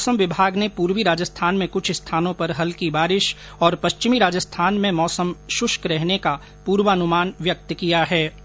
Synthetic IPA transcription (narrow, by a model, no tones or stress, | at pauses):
ɔːsəmʋɪbʱaːɡnepuːɾʋiɾaːd͡ʒəst̪ʰaːnmẽkʊt͡ʃʰɪst̪ʰaːnõpɐɾɦɐlkibaːɾɪʃ | ɔːɾpɐʃt͡ʃɪmiɾaːd͡ʒəst̪ʰaːnmẽmɔːsəmʃʊʃkɾɛɦneka | puːɾʋəɐnʊmaːnʋjɐk̚t̪kijaɦɛː